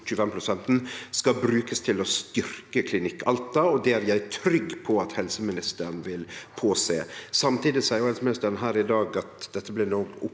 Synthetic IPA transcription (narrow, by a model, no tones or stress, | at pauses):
çʉːfɛmpʰɾʊsɛnt̪n̩skɑbɾʉːkəst̪ʰɪlɔst̪ʏɾkəkʰlɪnɪkʰːɑlt̪ɑɔd̪ɛæɾjæɪt̪ʰɾʏɡpʰɔɑt̪hɛlsəmɪnɪst̪əɾɳʋɪlpʰoːsḛːsɑmt̪ʰiːd̪ɪsɛɪjʊhɛlsəmɪnɪst̪əɾnɦæːɾɪd̪ɑːɡɑt̪d̪ɛt̪ːəblɪnɔɡʊ